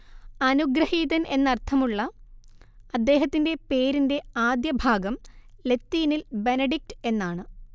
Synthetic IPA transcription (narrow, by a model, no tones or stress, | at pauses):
ɐnuɡɾɐhiːðɐne̞nːɐrt̪ʰɐmuɭːɐ | ɐd̪ːe̞ːɦɐt̪ːinde̞pe̞ːɾinde̞aːd̪jɐbʱaːɡɐmle̞t̪ːiːnilbe̞nɐɖik̚ʈɨ̥e̞nːaːɳɨ